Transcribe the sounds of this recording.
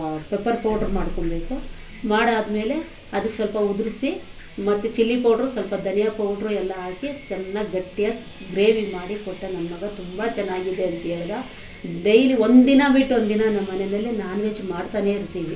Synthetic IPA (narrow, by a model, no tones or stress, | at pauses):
pepːɐɾpoːʈɐɾmaːɽkoɳbe̞ːku | maːɽaːd̪ɐme̞ːle̞ | ɐd̪ɐkːesɐlpɐud̪uɾisi | mɐt̪ːut͡ʃilːipoːʈɾusɐlpɐd̪ʱɐnjɐpoːʈɾuɛlːɐɦaːkit͡ʃɛnːɐɡɐʈːijɐ | ɡɾe̞ːʋimaːɽikoʈːɐnɐnːɐmɐɡɐt̪umbɐt͡ʃɛnːaːɡid̪e̞ɐnt̪ijɐɭd̪ɐ | ɖejliond̪inɐbiʈːond̪inɐnɐmmɐnenɐlːinaːnuʋet͡ʃmaːɽt̪aːne̞iɾt̪iːʋi